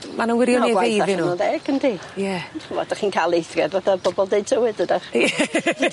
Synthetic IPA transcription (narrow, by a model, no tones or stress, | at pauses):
manəwɪɾjɔniwaeavɪnunɔðɛɡ̥əndijɛχumɔ̰d̥aχiːnkʰalˠejθrɛdvaθabɔbɔlˠdeɨd̚tʰəwɨdədaχɛ